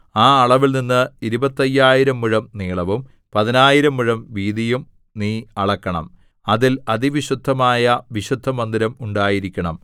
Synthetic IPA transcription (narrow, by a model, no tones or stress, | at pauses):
aːɐɭɐʋilninːɨiɾubɐt̪ːɐjːaːjiɾɐmːuɻɐmniːɭɐʋum | pɐðinaːjiɾɐmːuɻɐmʋiːðijum | niːɐɭɐkːɐɳɐ̰m | ɐðilɐðiʋiɕud̪ʱːɐmaːjɐʋiɕud̪ʱːɐmɐnd̪iɾɐmuɳɖaːjiɾikʲːɐɳɐm